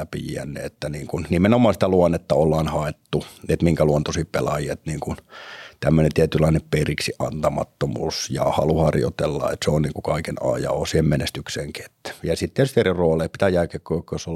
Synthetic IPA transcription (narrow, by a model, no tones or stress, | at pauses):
æpijæ̰nːḛet̪ːæniːŋkunnimenomˑɑːnsit̪æluonːet̪ːɑolːɑːnhɑet̪ːuet̪miŋkæluont̪osippelɑjiet̪niːŋkunt̪æmːønent̪iæt̪ylːˑɑinepperiksiʔɑ̰nt̪ɑmɑ̰t̪ːomṵːsjɑ̰hɑluhɑrjo̰t̪elːɑ̰ḛt̪seonniːŋkukɑikenɑ̰ːjɑ̰osiːhemmenest̪ykseːŋket̪ːjɑsit̪ːiet̪yst̪eriroːleːpi̥t̪æːjækekːojokːojoso